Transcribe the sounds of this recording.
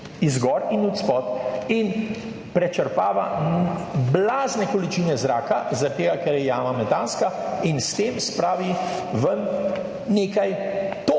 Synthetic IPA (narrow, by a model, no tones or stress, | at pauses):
izɡɔɾinut̪spɔt̪in | pɾɛt͡ʃəɾpaːʋa | blaːznɛkɔlit͡ʃiːnɛzɾaːkazat̪eːɡakɛɾjɛjaːmamɛt̪aːnskainst̪eːmspɾaːʋi | ʋən | neːkajt̪o